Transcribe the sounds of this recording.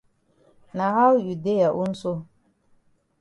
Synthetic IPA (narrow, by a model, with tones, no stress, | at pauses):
na˨ha˦wju˨de˦ja˨ʔu˦n̩˦so˦